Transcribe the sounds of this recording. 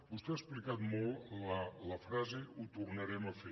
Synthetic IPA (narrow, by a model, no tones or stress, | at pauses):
bust̪ɛasplikat̪mɔlˠələfɾazeut̪urnəɾɛməfe